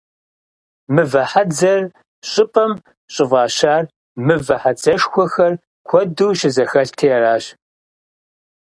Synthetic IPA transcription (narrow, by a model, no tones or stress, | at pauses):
mɨvɐħad͡zɐr | ɕʼɪpʼɐm | ɕʼɪvɑːɕaːr | mɨvɐħat͡sɐʂxʷɔxɐr | kʷʰɔduːʃɪzɐxɐɬtʰijɛraːɕ